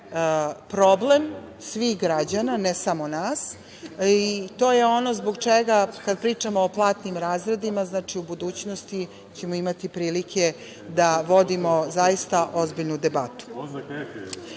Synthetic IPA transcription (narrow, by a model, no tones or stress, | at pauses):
pɾoblemsʋixɡɾad͡ʑananesamo̞naːs | it̪o̞ːjeo̞no̞zboɡt͡ʃeɡakad̪̚pɾiːt͡ʂamoːplˠaːt̪nimɾaːzɾed̪imaznaːt͡ʂiubud̪uːt͡ɕnost̪i | t͡ɕe̞moimat̪ipɾiːlikʰe | d̪aʋo̞d̪imo̞zajist̪aʔo̞zbiʎnud̪ebat̪u̥